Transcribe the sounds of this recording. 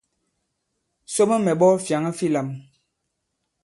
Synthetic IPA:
so˦mə˦mɛ˨ɓɔ˦fja˨ŋə˦fi˦˨la˨m

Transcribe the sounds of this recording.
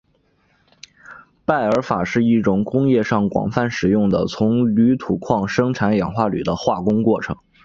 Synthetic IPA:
pa˥˩ɪə˞˧˥fa˨˩ʂɻ̩˥˧i˥˩ʈ͡ʂʊ˧˥ŋkʊ˥ŋjɛ˥˧ʂɑ˥˩ŋkwɑ̰˨˩ŋfa˥˩nʂɻ̩˨˩jʊ˥˩ŋd̪ə̰˩t͡sʰʊ˧˥ŋly˧˥t̪ʰu˨˩kʰwɑ˥˩ŋʂɤ˥ŋʈ͡ʂʰa˧˥njɑ˨˩ŋxwa˥˩ly̰˨˩d̪ə˦xwa˥˩kʊ˥ŋkwɔ˥˩ʈ͡ʂʰɤ̰˧˥ŋ

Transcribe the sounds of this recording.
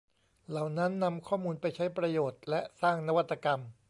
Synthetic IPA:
la˨˩wna˦˥nːa˧mkʰɔː˥˩muː˧npa˧jt͡ɕʰa˦˥jpɾa˧joː˨˩t̪̚lɛ˦˥ʔsaː˥˩ŋna˦˥wa˦˥t̪ːa˧ka˧m

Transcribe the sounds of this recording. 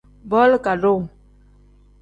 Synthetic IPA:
bɔ˦lka˨ɾo˦˨ŋ

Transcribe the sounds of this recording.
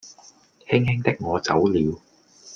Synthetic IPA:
hɪ˥ŋhɪ˥ŋt̪ɪ˥k̚ŋɔː˨˧t͡sɐ˨˥wliː˨˧w

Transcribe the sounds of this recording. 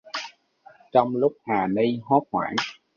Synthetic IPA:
t͡ɕɔ˧wŋ͡mlʊ˦˥k͡p̚haː˨˩ni˧jɦɔ˦˥p̚hwa̰ː˧˩n

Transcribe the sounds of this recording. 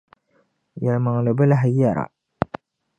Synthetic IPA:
ja˨lma˨ŋ˨la˨bɪ˦la˦ɦa˦ja˨ɾa̰˨

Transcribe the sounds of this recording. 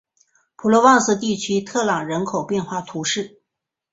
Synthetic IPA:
pʰu˨˩lɔ˧˥wɑ˥˧ŋsɹ̩˥˩t̪̬i˥˩t͡ɕʰy˥t̪ʰɤ˥˩lɑ˨˩ŋɻə˧˥nkʰo˨˩ʊpjɛ˥˧nxwa˥˩t̪ʰu˧˥ʂɻ̩˥˩

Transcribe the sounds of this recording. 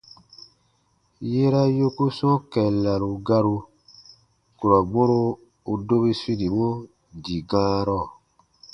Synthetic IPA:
je˦ɾa˦jo˦ku˦sɔ̃˦kɛ˨la˨ɾu˨ɡa˧ɾu˧ | ku˨ɾa˨ɡ͡bo˦ɾo˧ | u˧do˦bi˦si˦ni˨bo˦ | di˨ɡãː˦ɾɔ˦˨

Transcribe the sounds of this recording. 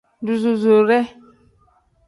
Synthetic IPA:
du˨zu˨zo˨ɾɛ˦

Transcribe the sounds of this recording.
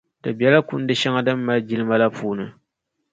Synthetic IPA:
dɨ˨bjɛ˦la˦ku˦n̩˦dɨ˦ʃa˦ŋa˦dɨ˦m̩ː˦a˦ld͡ʒi˦lɨ˦ma˦la˦puː˦nɨ˨

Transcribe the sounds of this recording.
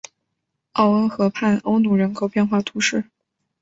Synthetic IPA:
ɑ˥˩ʊə˥nxɤ˧˥pʰa˥˩nʔo˥ʊnu˨˩ɻə˧˥nkʰo˨˩ʊpjɛ˥˧nxwa˥˩t̪ʰu˧˥ʂɻ̩˥˩

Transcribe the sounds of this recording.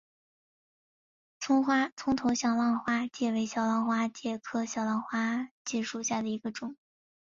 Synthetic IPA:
t͡sʰʊ˥ŋxwa˥t͡sʰʊ˥ŋt̪ʰo˧˥ʊɕjɑ˨˩ʊlɑ˥˧ŋxwa˥t͡ɕjɛ˥˩we˧˥ɪɕjɑ˨˩ʊlɑ˥˧ŋxwa˥t͡ɕjɛ˥˩kʰɤ˥ɕjɑ˨˩ʊlɑ˥˩ŋxwa˥t͡ɕɛ˥˧ʂu˨˩ɕja˥˩d̪ə˩i˧˥ɡə˧ʈ͡ʂʊ˨˩˦ŋ

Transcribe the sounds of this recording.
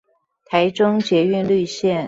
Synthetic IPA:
t̪ʰa˧˥ɪʈ͡ʂʊ˥ŋt͡ɕjɛ˧˥y˥˧nly˥˧ɕjɛ˥˩n

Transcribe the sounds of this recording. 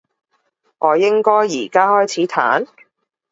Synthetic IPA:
ŋʔɔː˨˧jɪ˥ŋkɔː˥jiː˨˩kaː˥hɔː˥jt͡sʰiː˨˥t̪ʰa̰ː˨˥n

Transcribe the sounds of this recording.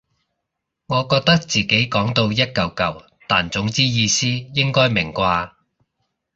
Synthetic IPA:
ŋɔː˨˧kɔː˧k̚t̪ɐ˥k̚t͡siː˨ke˨˥jkɔː˨˥ŋt̪o˧wjɐ˥t̚kɐ˨wkɐ˨w | t̪aː˨nt͡sʊ˨˥ŋt͡siː˥jiː˨˧siː˥jɪ˥ŋkɔː˥jmɪ˨˩ŋkʷaː˧

